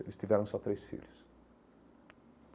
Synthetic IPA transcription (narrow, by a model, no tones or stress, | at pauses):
lɪst̪ivɛɾə̃sɔt̪ɾesfḭlʲs | p